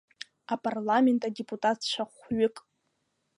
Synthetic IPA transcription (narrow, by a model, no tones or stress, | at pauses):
apʼarlame̞ntʼadepʼutʼatʰt͡ʃʷʰaχʷɥʊɪkʼ